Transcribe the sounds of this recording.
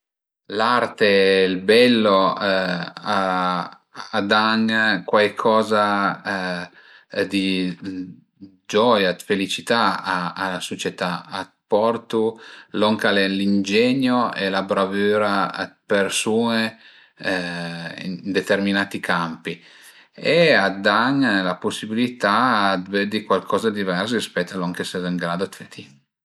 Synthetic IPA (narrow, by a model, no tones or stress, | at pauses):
laɾt̪elbɛlːo | a | ad̪aŋkwajkʰɔːza | d̪i | d͡ʒɔjad̪felit͡ʃit̪aaːsot͡ʃɛt̪aat̪pɔrt̪ulɔŋkalelind͡ʒɛɲːoelabɾavyːɾapersuːne | ḭnd̪et̪erminaːt̪ikʰampi | ead̪ːaɲːalaposːibilit̪aːd̪ved̪ikwalkʰɔːzad̪ivɛrsispɛt̪ːalɔŋkesɛziŋɡɾaːd̪oat̪fet̪ʰi